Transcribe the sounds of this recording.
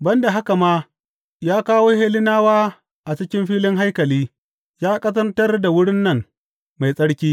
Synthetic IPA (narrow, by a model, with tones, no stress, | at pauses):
bɐ˦nda˨ɦa˦ka˨maː˦ | jaː˦kaː˦woː˦heː˦lɪ˦naː˦waː˦ | ʔa˨t͡ʃɪ˦kʲɪ˦mɸiː˦lɪ˦ŋɦa˦jkɐ˨liː˦ | jaː˦kʼɐ˦sɐ˦ntɐ˦rda˨wʊ˦ɽɪ˦nːɐ˦˨ŋ | ma˨jsʼɐ˦ɽkʲiː˦